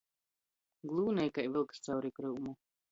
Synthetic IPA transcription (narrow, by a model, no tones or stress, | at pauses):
ɡlˠuːnɛjkajvilˠkst̪sawɾikɾuːmu